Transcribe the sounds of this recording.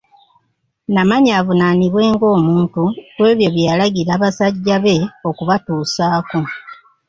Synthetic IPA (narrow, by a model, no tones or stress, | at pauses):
namaɲaːvunaniβwe̞ːŋɡo̞ːmuːntutwe̞ːβjo̞βjalaɡiɾaːβasaɟːaβe̞o̞kuβatuːsaːko